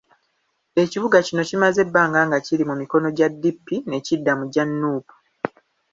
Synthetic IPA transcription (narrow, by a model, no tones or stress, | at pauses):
e̞ciβuɡacino̞cimaze̞bːaːŋɡaːŋɡacilimumiko̞no̞ɟadːipːine̞cidːamuɟanːuːpu̥